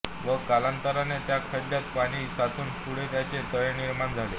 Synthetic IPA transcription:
ʋəkalant̪əɾanet̪jakʰəɖljat̪̚paɽ̃iːsat̪ʰuːnpuɽet̪jat͡set̪əɭeniɾmaɳd͡zʱale

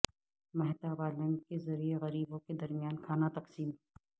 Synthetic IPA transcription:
mɐɦt̪abaːlɐ̃ŋkezɐɾieɣɐɾiːbõked̪ɐɾmjaːnkʰaːnat̪ɐqsiːm

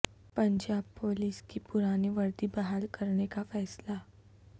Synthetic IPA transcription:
pɐ̃ɲd͡ʒaːb̚poːliːskipʊɾaːneʋɐɾd̪ibɐɦaːlkɐɾnekafɛːsla

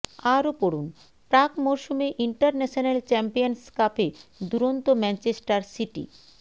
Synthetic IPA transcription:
aɾopoɽun | pɾakmoɾʃumeʔiɳʈaɾnɛʃonelt͡ɕɛmpijonskaped̪uɾont̪omɛnt͡ɕesʈaɾsiʈḭ

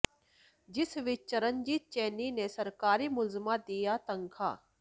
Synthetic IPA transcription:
d͡ʒɪsʋɪt͡ʃt͡ʃəɾənd͡ʒiːt̪̚t͡ʃɛːniːnesəɾkaːɾiːmʊlzəmãd̪ijaːt̪əŋkʰa̰ː

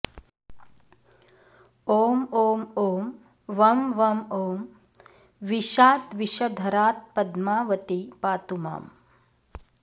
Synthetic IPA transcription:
oːmoːmoːm | ʋɐmʋɐmoːm | ʋiʃaːt̪ʋiʃɐd̪ʱɐɾaːt̪̚pɐd̪maːʋɐt̪ipaːt̪uma̰ːm

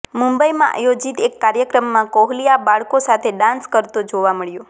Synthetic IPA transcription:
mũmbəimã̰ʔa̰jod͡ʒit̪ekːaɾjəkɾəmːãkoɦlijabaɭkosat̪ʰeɖãnskəɾt̪od͡ʒoʋaməɭjo

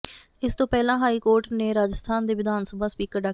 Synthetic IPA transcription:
ɪst̪õːpɛːlãːɦaːiːkoːɾʈneːɾaːd͡ʒəst̪ʰaːnd̪eːʋɪd̪ʱaːnsəbaːspiːkəɾɖaː

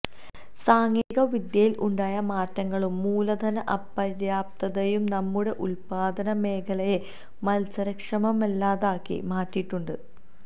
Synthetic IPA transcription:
saːŋiːɣɐʋid̪jɐjilʔuɳɖaːjɐmaːtːɐŋːɐɭumːuːlɐd̪ʱɐnɐʔɐpːɐɾjaːp̚t̪ɐðɐjumnɐmːuɽe̞ʔulpaːd̪ɐnɐme̞ːkʰɐlɐje | mɐlsɐɾɐkʂɐmɐmelːaːðaːkːḭmaːtːiʈːuɳɖɨ

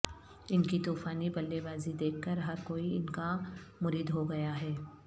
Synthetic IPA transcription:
ɪnkit̪uːfaːnibɐlːebaːzid̪eːkʰːəɾɦɐɾkoːiɪnkamʊɾiːd̪ɦoɡɐjaɦɛː

